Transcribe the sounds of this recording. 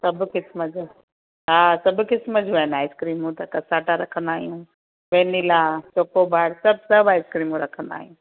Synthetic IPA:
sɐbʱkɪsməd͡ʒu | ɦaːsɐbkɪsməd͡ʒuaːɪnaːɪskɾiːmɦũt̪ɐkɐsaːʈaɾɐkʰə̃nd̪aːɦijũː | beːniːlat͡ʃoːkobaːɽsɐb̚ʱsɐbaːɪskɾiːmɦũɾɐkʰə̃nd̪a̰ːɦijũː

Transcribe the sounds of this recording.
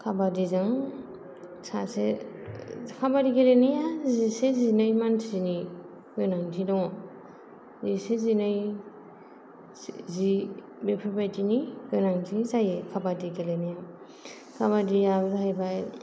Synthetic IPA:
kʰabadizaŋ | sase | kʰabadikelenijazisezinajmantʰizini | ɡɯnaŋtʰinɔ | zisezinaj | zi | bepʰabajtiniɡɯnaŋtʰizajekʰabadikelenija | kʰaβadiabzaɦajbaj

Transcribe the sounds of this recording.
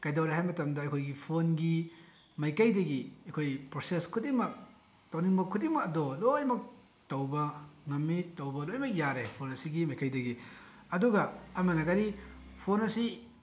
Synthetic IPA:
kajdɐwɾehajmɐtɐmdɐɐjkʰojɡipʰonɡi | majkajdɐɡiɐjkʰojpɾoseskʰutimɐk̚ | towniŋmɐkʰːutimɐɐdɔlojmɐk̚ | tɐwbɐŋɐmːitɐwbɐlojmɐk̚jaɾepʰonɐsiɡimajkajdɐɡi | ɐduɡɐɐmɐnɐɡaɾipʰonɐsi

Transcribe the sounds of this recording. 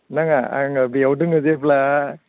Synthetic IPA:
naŋaa̰ŋbiawʈɯŋɯzepla

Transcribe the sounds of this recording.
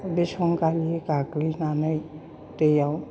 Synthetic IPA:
besoŋkaliekaklinanəj | t̪eja

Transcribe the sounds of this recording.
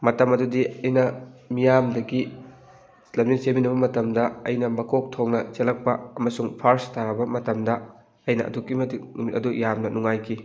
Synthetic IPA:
mɐtɐmɐdudiɐjnɐmijamdɐɡi | lɐminseminɐbɐmɐtɐmdɐɐjnɐmɐkʰok̚tʰoŋnɐt͡ʃelɐk̚pɐɐmɐsuŋpʰɐɾstaɾɐbɐmɐtɐmdɐ | ɐjnɐʔɐ̰dukːimɐtimitɐdujamnɐnuŋajkʰi

